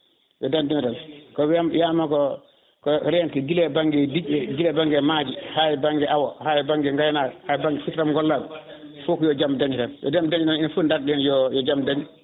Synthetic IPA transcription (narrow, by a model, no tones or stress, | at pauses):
jɔdandimtankɔwamjamakɔ | kɔɾɛnkɛɡilɛbaŋɡɛdiɟɛɡilɛbaŋɡɛmad͡ʒihaːjɛbaŋɡɛʔawɔhaːjɔbaŋɡɛŋɡajnahaːjbaŋɡɛfitɾamɡɔlːaːɡɔ | fukɔjɔd͡ʒamdaɲitanjɔ̰damdaɲitaninafundaɾɗɛnjɔjɔd͡ʒamdaɲi